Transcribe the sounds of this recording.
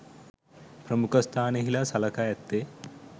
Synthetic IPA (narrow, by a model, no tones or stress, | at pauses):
pɾɐmukʰɐst̪ʰaːneɦilasɐlɐkaːjɐt̪ːeː